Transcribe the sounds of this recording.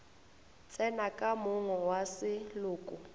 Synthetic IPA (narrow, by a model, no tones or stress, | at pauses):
t͡sʼɛnakʼamʊŋɔwasɪlʊːkʼʊ